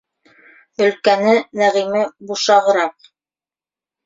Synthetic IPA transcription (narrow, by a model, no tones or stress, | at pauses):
ɵ̆lkænɘnæʁimɘbuʃɑʁɤ̆ɾɑq̚